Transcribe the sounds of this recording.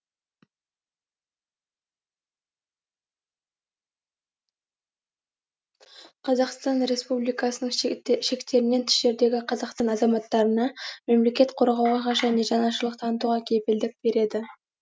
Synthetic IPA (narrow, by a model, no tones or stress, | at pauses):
qʰɑzɑqst̪ɑnɾe̞spublijkɑsənəɴʃe̞kt̪e̞ɾɪne̞nt̪ʰɪ̥ʃe̞ɾd̪e̞ɡʲɪqʰɑzɑqst̪ɑnɑzɑmɑt̪ːɑɾənɑme̞mle̞kʲe̞t̪qʰoɾʁɑwʁɑʁɑʒæne̞ʒɑnɑʃ̬əlˠəq̚t̪ʰɑnət̪uʁɑkʲʰe̞pɪld̪ɪk̚b̥e̞ɾe̞d̪ɪ